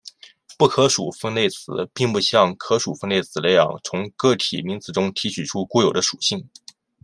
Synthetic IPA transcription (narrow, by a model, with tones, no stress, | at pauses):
pu˥˩kʰɤ˧˥ʂu˨˩fə˥nle˥˩ɪt͡sʰɹ̩˨˧˩pi˥˧ŋpu˥˧ɕjɑ˥˩ŋkʰɤ˧˥ʂu˨˩fə˥nle˥˩ɪt͡sʰɹ̩˨˩le˧˥ɪjɑ̰˨˩ŋt͡sʰʊ˧˥ŋkɤ˥˩t̪ʰḭ˨˩mi˧˥ŋt͡sɹ̩˨˩ʈ͡ʂʊ˥ŋt̪ʰi˧˥t͡ɕʰy˨˩ʈ͡ʂʰu˥ku˥˩jo˨˩ʊd̪ə˦ʂu˨˩ɕi˥˩ŋ